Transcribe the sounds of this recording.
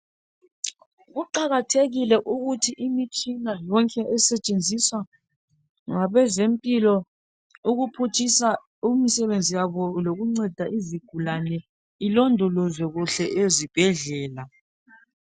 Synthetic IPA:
ɣuǃaɣatʰeɣilɛʔuɣutʰiʔimit͡ʃʼinajɔŋkʼɛʔɛsɛt͡ʃʼend͡zʱiswa | ŋaβɛzempʼilɔ | uɣupʰut͡ʃʰʼisa | umisɛβend͡zʱijaβɔloɣuŋ͡ǀɛd̥ʱaʔiziɡ̥ʱulanɛ | ilɔndʱɔlɔzwɛɣuɬɛʔezib̥ʱɛɮɛːla

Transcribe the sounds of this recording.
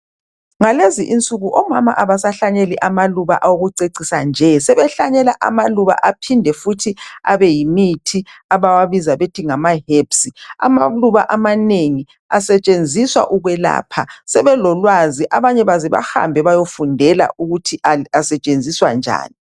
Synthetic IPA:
ŋaleziʔint͡sʼuɣuʔɔmama̰ʔaβasaɬaɲeliʔamaluβa̰ʔawoɣuǀeǀisand͡ʒʱɛsɛβɛɬaɲɛla̰ʔa̰maluβa̰ʔapʰindʱɛfutʰia̰βɛjimitʰiaβawaβizaβetʰiŋamaɦepsia̰ma̰luβaʔamaneŋi | asɛt͡ʃʼend͡zʱiswa̰ʔuɣwɛla̰ːpʰasɛβɛlɔlwaziʔaβaɲɛβaziβa̰ha̰mbʱɛβajofundʱɛla̰ʔuɣutʰiʔaasɛt͡ʃʼend͡zʱiswa̰nd͡ʒʱa̰ːni

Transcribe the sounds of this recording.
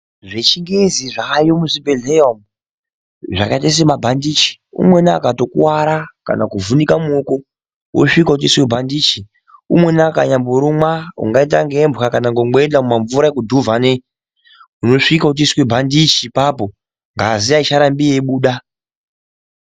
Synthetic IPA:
ʐet͡ʃiŋɡeziʐaːjomuzibʱeɮeom | ʐakaitas̬emabʱandit͡ʃi̥ṵmwe̞naakato̞kuwaɾaka̰nakuvunikamuoko | wʔo̰ʂikaut̬iswebʱandiːt͡ʃi | ṵmwe̞naka̰ɲamboɾumwaṵŋɡait̬aŋɡembɣakanaŋɡoŋɡ͡beendamumaɱvuɾaekudʱuvane | uno̞ʂikaut̬iswebʱandit͡ʃipapo̞ | ŋɡaziait͡ʃaɾambieɓuːɗa

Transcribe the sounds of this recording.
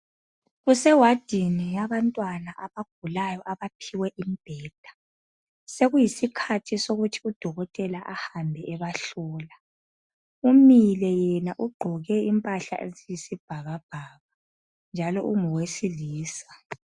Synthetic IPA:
ɣusɛwad̥ʱinijaβantʼwanaʔaβaɡ̥̚ʱulajɔʔaβapʰiwɛʔimib̥ʱɛːd̥ʱḁ | seɣujisikʰatʰisoɣutʰi̥ud̥ʱɔɣɔtʼɛlaʔahambʱɛʔɛβaɬɔːla | umilɛjɛnaʔuɡ͡ǃʱɔɣɛimpʼaɬa̰ʔḛzijisib̥ʱaɣab̥ʱaβa | nd͡ʒʱalɔ̰ʔṵŋɔwesiliːsḁ

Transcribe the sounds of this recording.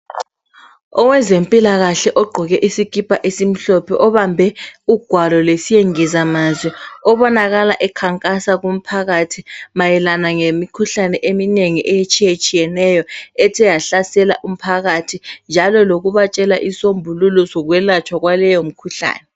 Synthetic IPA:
ɔwɛzempʼilaɣaɬɛʔɔɡ͡ǃʱɔɣɛʔisikʰʼipʰaʔesim̩ɬɔpʰɛʔɔβambʱɛuɡ̥ʱwalɔlesijeŋizamazwɛɔβɔnaɣalaʔɛkʰaŋkʼasaɣum̩pʰaɣatʰimajɛlanaŋemikʰuɬanɛʔemineŋiʔɛjet͡ʃʼijet͡ʃʼijɛnɛjɔɛtʰɛjaɬasɛla̰ʔum̩pʰaɣatʰind͡ʒʱalɔloɣuβat͡ʃʼɛlaʔisombʱululɔsɔɣwɛlat͡ʃʰʼwaɣwalɛjom̩kʰuɬa̰ːnɛ

